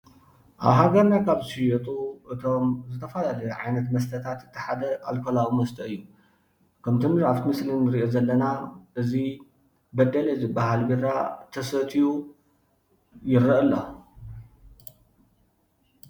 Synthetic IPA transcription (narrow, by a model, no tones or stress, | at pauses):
ʔa̰βɦaɡɐɾnakʰaβʃijot̪ʼuʔɨt̪ʰomzɨt̪ʰɐfɐlalɐjʕajnɐt̪mɐs̬t̪ʰɐt̪ʰat̪ɨt̪ʰːɨħad̪ɐa̰lkʰolaʔwumɐst̪ʰɐɨjːu | kʰɐmt̪ʰunɨɾaft̪ʰimɨslinːɨɾiʔozɐlːɐnaʔɨzi | bɐd̪ɐlɐzɨbahalbiɾat̪ʰɐsɐt̪ʰiju | jɪɾːɐʔɨlːo